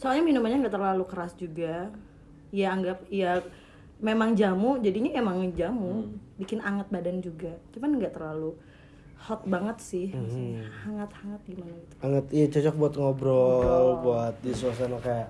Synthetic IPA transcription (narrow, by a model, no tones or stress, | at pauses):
soalɲaminumaɲaŋɡaʔt̪ərlalukəɾasd͡ʒuɡa | ijaːŋɡap̚ija | memaŋd͡ʒamud͡ʒadiɲaemaŋd͡ʒamubikɪnaŋət̪̚badand͡ʒuɡat͡ʃumanŋɡaʔt̪ərlalu | hɔt̪̚baŋət̪̚sɪhasahaŋat̪haŋət̪̚ɡimanait̪u̥aŋət̪ijat͡ʃɔt͡ʃɔk̚buat̪ŋɔbɾɔlbuat̪̚disuas̬anakajaʔ